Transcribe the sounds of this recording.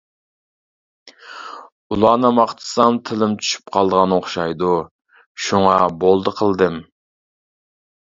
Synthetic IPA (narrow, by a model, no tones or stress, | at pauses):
ulˠɑːnɨmɑχt̪ʰɨ̥sɑmt̪ʰɪlɪmt͡ʃʰy̥ʃy̥p̚qʰɑlˠd̪əʁɑnoχʃɑjd̪u | ʃuŋɑbolˠd̪əqʰəlˠd̪ɨm